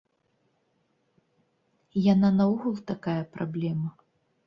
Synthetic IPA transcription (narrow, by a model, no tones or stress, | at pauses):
jananɐuɣulˠt̪akajɐpɾablʲɛmɐ